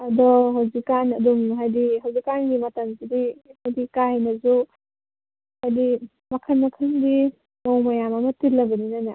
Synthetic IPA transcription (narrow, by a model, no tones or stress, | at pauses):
ɐdɔɦawzikːanɐdumɦajdiɦawzikanɡimɐtɐmsidihajdikanɐzu | hajdi | mɐkʰɐnmɐkʰɯndi | mawmɐjamɐmɐtilːɐbɐninana